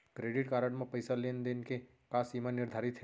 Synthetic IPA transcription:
kɾeːɖɪʈkaːɾəɽmẽpəjsalend̪enke | paːsimanɪɾd̪ʱaːɾɪt̪ɦe

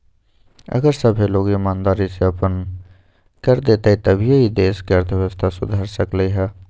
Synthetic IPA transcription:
ɐ̰ɡəɾsəbʱeloːɡimaːnd̪aːɾiseɐpən | kəɾd̪eːt̪ait̪ɐbʱijeɦid̪eːskeɐɾt̪ʰəʋeʋəst̪ʰasʊd̪ʱaːɾsəkleiɦɛː

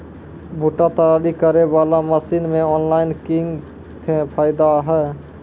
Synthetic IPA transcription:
bʱuʈat̪əɾaɾikəɾebalaməsinmeɔnlainkiŋɡ | t̪ʰepʰaɪd̪aɦɛ

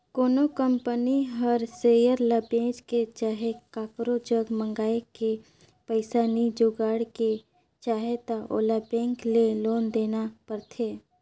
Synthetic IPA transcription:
koːnokəmpəniɦəɾsejəɾlabẽːd͡ʒket͡ʃaːɦekaːkɾod͡ʒəɡmə̃ŋɡaːeke | pəɪsaːnid͡ʒoːɡaːɽke | t͡ʃaːɦet̪aʔo̰ːlabẽːŋkleloːnd̪eːnapəɾt̪ʰeː

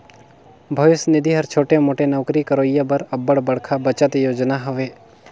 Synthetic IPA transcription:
bʱɐʋɪsnɪd̪ʱiɦɐɾt͡ʃʰoːʈemoːʈenɔːkɾikəɾoːjabəɾɐbəɽbəɽ̤kʰabət͡ʃət̪joːd͡ʒnaɦʊʋeː

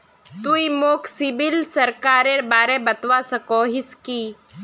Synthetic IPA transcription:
t̪uimoːkʰsɪbilsɐɾkaːɾeɾbaːɾẽbɐt̪ʋasɐkoːɦiskiː

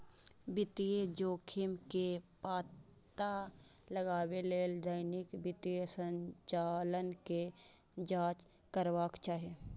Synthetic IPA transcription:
bɪt̪ied͡ʒoːkʰɪmkepaːt̪ | a | ləɡaːweleːld̪əɪnɪkbɪt̪iesə̃ɲt͡ʃaːlənke | d͡ʒaːt͡ʃ | kəɾwaːkt͡ʃaːɦe

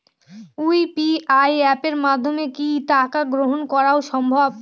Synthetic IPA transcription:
ujpiajɛpeɾmad̪ʱːomekit̪akaɡɾoɦonkɔɾaoʃɔmbʱɔbb

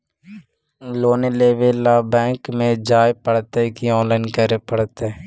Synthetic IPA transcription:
loːneleːʋelaːbɛ̃ːkmẽd͡ʒaːjpəɽt̪ekiɔ̃ːnlaːɪnkəɾepəɽt̪e

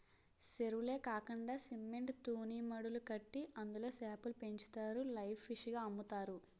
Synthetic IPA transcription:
seɾule̞ːkaːkɐɳɖaːsimːeɳʈt̪uːniːmɐɽulukɐʈːiʔɐnd̪ulo̞ːsaːpulupe̞ɲt͡ʃu̥t̪aːɾulɐjpʰʋiʂɡaːɐmːut̪aːɾu

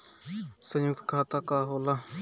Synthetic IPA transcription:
sə̃njʊk̚t̪kʰaːt̪aːkaːɦoːla

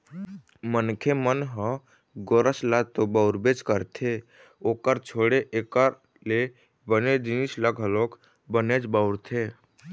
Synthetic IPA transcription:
mənkʰemənɦə | ɡoːɾəslat̪obaʊɾbed͡ʒkəɾt̪ʰe | oːkəɾt͡ʃʰoːɽeʔekaɾ | le | bəned͡ʒɪnislaɡɦəloːk | bəned͡ʒbəʊɾt̪ʰeː

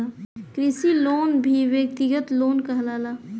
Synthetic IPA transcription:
akɾisiloːnbʱiʋjək̚t̪iɡət̪loːnkəɦlaːlaː

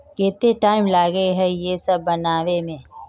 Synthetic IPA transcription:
keːt̪eʈaːɪmlaːɡəeɦɛjesɐbːɐnaːʋemẽː

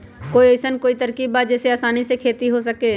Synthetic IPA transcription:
koːiəɪsənkoːit̪əɾkiːbaːd͡ʒɛːseaːsaːnisekʰeːt̪iɦos̬əkeː

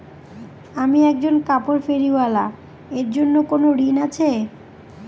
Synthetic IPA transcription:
amiɛk̚d͡ʑonkapoɾfeɾiwala̰ | eɾd͡ʑonːokonoɾinat͡ɕʰe

